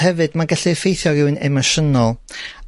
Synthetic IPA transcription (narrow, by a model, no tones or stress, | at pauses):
hɛvɨdmaɡaɬifejθjɔɾɪwnɛmɔʃənɔlˠ